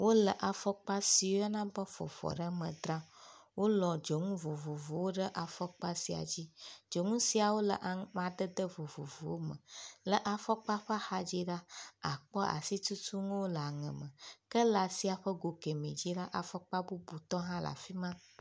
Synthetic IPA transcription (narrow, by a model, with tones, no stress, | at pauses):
wʔo˦lə˨ʔa˨fɔ˦k͡pa˦si˨wo˦a˦nã˦bə˦fɔ̰˨fɔ̰˨ɖə˦mə̃˨d̪ɾa˦wo˦lɔ̃˨d͡ʒo˨ŋũ˦vo˨vo˨vo˨wo˦ɖə˦ʔa˨fɔ˦k͡pa˦si˨a̰˨d͡ʑi˦d͡ʒo˨ŋũ˦si˨a˨wo˦lə̰˨ʔa˨mã˨ɖə˦d̪ə˦vo˨vo̰˨vo˨wo˦mə̰˨lə˨ʔa˨fɔ˦k͡pa˦ɸə˦xa˦d͡ʑi˦ɖa˦a˨k͡pɔ˦ʔa̰˨si˦tu˦tu˦ŋũ˦wo˦lə˨a˨ŋə̰̃˨mə̃˨kə˦la˨si˦a˨ɸə˦ɡo˨ke˨mḛ˨d͡ʑi˦ɖa˦ʔa˨fɔ˦k͡pa˦bu˦bu˨t̪ɔ˦ɦã˦la̰˨fi˦mã˦